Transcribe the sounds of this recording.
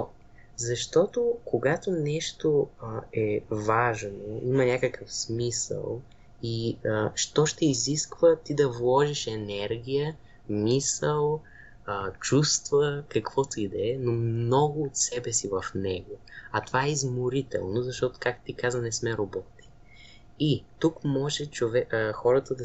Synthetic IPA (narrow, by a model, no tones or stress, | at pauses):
zɐʃt̪ɔt̪okoɡat̪onɛʃt̪oɛvaʒnoimɐnʲakəkəfsmisə̰lˠ | iəʃt̪ɔʃt̪ɛiziskvət̪id̪ɐvlˠɔʒiʃɛnɛɾɡʲijə | misəlˠ | t͡ʃust̪vəkɐkvɔt̪id̪ɛːnomnɔɡʊːt̪sɛbɛsivɐfnɛɡoɐt̪ovaɛizmoɾit̪ɛ̰lˠnozɐʃt̪ɔt̪ʊ̥kak̪̚t̪ikazənɛsmɛɾobɔt̪i̥ | it̪ukmɔʒɛt͡ʃovɛxɔɾət̪əd̪ɐ